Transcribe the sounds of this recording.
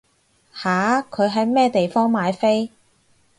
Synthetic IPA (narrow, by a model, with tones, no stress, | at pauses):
haː˨˥kʰɵ˨˧ɥɦɐ˨˥jmɛː˥t̪e˨jfɔː˥ŋmaː˨˧jfe˥j